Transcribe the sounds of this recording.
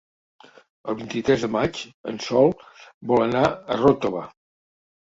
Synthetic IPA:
əlˠβint̪it̪ɾɛzðəmat͡ʃə̰nsɔlˠbɔlənaərot̪oβə

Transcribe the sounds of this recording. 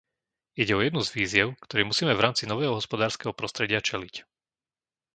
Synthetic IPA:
iɟɛɔjɛd̪nuzʋiːzɪɛʊkt̪ɔɾɛːmusiːmɛvɾaːmt͡sinɔʋɛːɦɔɦɔspɔd̪aːɾskɛɦɔpɾɔst̪ɾɛɟɪat͡ʃɛlic

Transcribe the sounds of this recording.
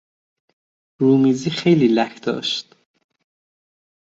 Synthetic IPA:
ɾuːmiːziːxejliːlækʰd̪ɒ̰ːʃt̪

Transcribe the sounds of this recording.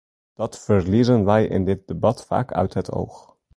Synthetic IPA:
d̥ɑtfərlizənʋɛjʔɪ̰ndɪt̚debɑtfa̰ːkʰœ̰ɥtɦətʰo̰wx

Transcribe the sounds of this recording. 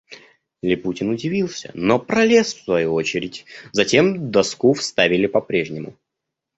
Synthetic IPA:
lʲɪputʲɪnʊdʲɪvʲilˠsʲə̰nopɾɐlʲe̞sfsvɐjuot͡ɕɪɾʲɪtʲzɐtʲe̞md̪ɐskufst̪avʲɪlʲɪpɐpɾʲe̞ʐnʲɪmʊ̰

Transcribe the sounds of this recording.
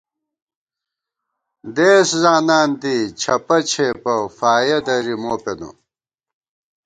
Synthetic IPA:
d̪eːszaːnaːnt̪it͡ɕʰɐpɐt͡ɕʰepɐfaːjɐd̪ɐɾimoːpenṵ

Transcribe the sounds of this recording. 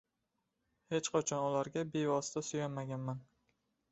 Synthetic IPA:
he̞t͡ʃqʰɒt͡ʃʰɒnʊlaɾɡʲabe̞vɒsɪ̥t̪ʰasʊjanmaɡʲanman

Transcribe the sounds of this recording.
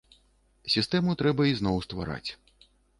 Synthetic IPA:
sʲist̪ɛmut̪ɾɛbɐiznɔwst̪va̰ɾa̰t͡sʲ

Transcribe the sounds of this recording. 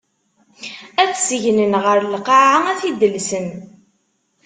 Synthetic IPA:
æθsʝnənʁəɾlqɑʕaæθid̪əlsən

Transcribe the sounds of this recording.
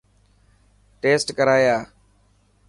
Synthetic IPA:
ʈeːsʈkəɾaːjaː

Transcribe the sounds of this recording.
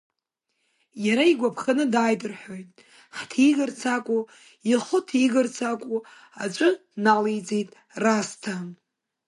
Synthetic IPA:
jaɾaiɡʷapʰχanɨdajdʼɨrħojtʼ | ħtʰiɡɨrt͡sʰakʷʼu | iχʊtʰiɡɨrt͡sʰakʷʼu | at͡ʃʷʼɨnalejd͡zejtʼ | rastʰam

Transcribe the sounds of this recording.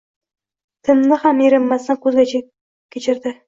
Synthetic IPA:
t̪ʰɪmnɪhamjeɾɪmːasankʲʰɵzɡʲat͡ʃʰa | kʲʰet͡ʃʰɪɾd̪ɪ

